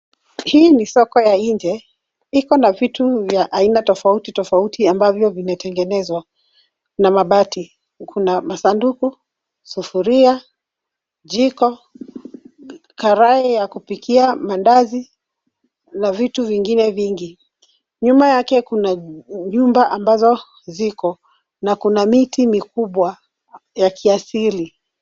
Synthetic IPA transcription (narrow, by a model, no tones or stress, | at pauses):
hiːnisɔkɔjaiɲd͡ʒɛ | ikɔnavituvjaʔainatɔfautitɔfautiambavjɔvinatɛŋɡɛnɛzwa | namaɓati | kʰunamasanduku | sufuɾia | d͡ʒikɔ | kaɾaɛjakupikiamandazi | navituviŋɡinɛviŋɡi | ɲumajakɛkunaɲumbaʔambazɔ | zikɔ | nakunamitimikuɓwa | jakʰiasili